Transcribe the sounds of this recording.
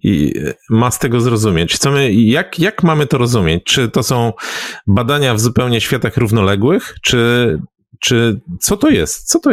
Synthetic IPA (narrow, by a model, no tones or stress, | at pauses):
ḭmast̪ɛɡɔzɾɔzumʲjɛt͡ɕt̪sɔmɘjakjakmamɘt̪ɔɾɔzumʲjet͡ɕt͡ʂɘt̪ɔsɔ̃w̃bad̪aɲavzupɛwɲɛɕfʲjat̪axɾuvnɔlɛɡwɘxt͡ʂɘ | t͡ʂɘt̪sɔt̪ɔjɛst̪t̪sɔt̪ɔ